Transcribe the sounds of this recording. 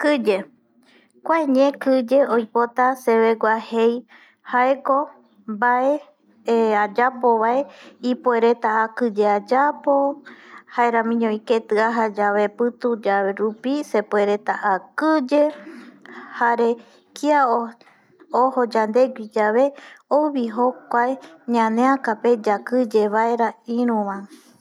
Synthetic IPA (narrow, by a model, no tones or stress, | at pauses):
kɨd͡ʒe̞ | kʷaeɲẽkɨd͡ʒe̞ojpo̞t̪ase̞βeɡʷahej | haeko̞ | bae̞ | ad͡ʒapo̞βaeipoe̞ɾe̞t̪aːkɨd͡ʒe̞ad͡ʒapo̞haeɾãmĩɲõike̞t̪ɨaɦad͡ʒaβe̞pɨt̪ud͡ʒaβe̞ɾupise̞pue̞ɾe̞t̪aʔakɨd͡ʒe | haɾe̞ | kiao | oho̞d͡ʒand̪e̞ɡʷid͡ʒaβe̞owβiɦokʷaeɲãnẽãkape̞d͡ʒakɨd͡ʒe̞βaeɾaĩɾ̃ũβã